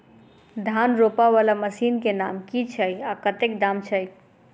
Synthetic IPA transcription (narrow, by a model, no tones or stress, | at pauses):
d̪ʱanɾopaʋalaməsiːnkenamkit͡ʃʰəjakət̪ekd̪amt͡ʃʰəj